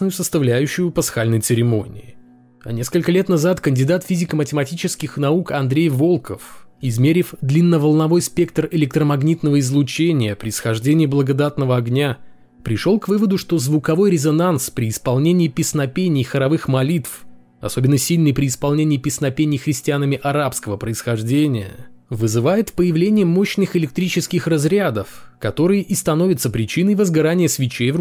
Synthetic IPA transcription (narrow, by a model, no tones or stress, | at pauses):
nəjʊsəst̪ɐvlʲæjʉɕːʊjʊpɐsxalʲnəjt̪sɨɾʲɪmo̞nʲɪ̰ɪ | a̰nʲe̞skəlʲkəlʲe̞t̪nɐzat̪kənʲdʲɪd̪at̪fʲizʲɪkəmətʲɪmɐtʲit͡ɕɪskʲɪxnɐukɐnd̪ɾʲejvo̞lˠkəfɪzmʲeɾʲɪfd̪lʲinːəvəlˠnɐvo̞jspʲe̞kt̪rɪlʲɪk̚t̪ɾəmɐɡnʲit̪nəvəɪzlˠʊt͡ɕenʲɪjəpɾʲɪɪsxɐʐdʲenʲɪːiblˠəɡɐd̪at̪nəvəɐɡnʲa | pɾʲɪʂo̞lˠkvɨvəd̪ʊʂt̪o̞zvʊkɐvo̞jɾʲɪzɐnanspɾʲɪːspɐlˠnʲenʲɪːpʲɪsnɐpʲenʲɪjxəɾɐvɨxmɐlʲit̪f | ɐ̰so̞bʲɪnːəsʲilʲnɨjpɾʲɪːspɐlˠnʲenʲɪːpʲɪsnɐpʲenʲɪjxɾʲɪsʲtʲɪanəmʲɪʔɐɾapskəvəpɾəɪsxɐʐdʲenʲɪjə̰ | vɨzɨvajɪt̪pəjɪvlʲenʲɪjəmo̞ɕnɨxɪlʲɪk̚t̪ɾʲit͡ɕɪskʲɪxrɐzɾʲad̪əfkɐt̪o̞ɾɨjəʔist̪ɐnovʲɪt̪səpɾʲɪt͡ɕinəjvəzɡɐɾanʲɪjəsvʲɪt͡ɕev